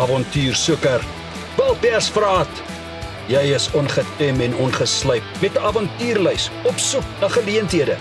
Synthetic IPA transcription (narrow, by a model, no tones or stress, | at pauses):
ɑvɔntyːrsukər | vɐlˠpærsfrɑːt | jɛjəsɔnχətɛmɛnɔnχəsləjp̚mɛtəɐvɑntyːrləjsɔpsuknɐχəliəntɦiədə